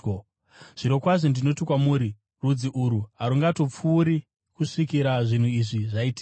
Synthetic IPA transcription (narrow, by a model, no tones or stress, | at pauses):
ʐ̥iɾo̞kwaʐondino̞tikwamuːɾi | rud͡ziʔuɾuɦaɾuŋɡato̞p͡fuːɾi | kuʂikiɾaʐin̤uiʐiʐaiti̥